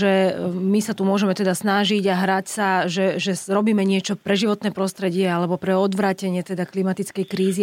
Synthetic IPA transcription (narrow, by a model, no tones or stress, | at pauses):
ʒɛmisat̪umʊɔʒɛmɛt̪ɛd̪asnaʒiɟaɦɾacsaʒɛʒɛɾɔbiːmɛɲɪɛt͡ʃɔpɾɛʒiʋɔt̪nɛːpɾɔst̪ɾɛɟɪɛalɛbɔpɾɛɔd̪ʋɾaːcɛɲɪɛt̪ɛd̪aklimat̪it͡skɛjkɾiːzi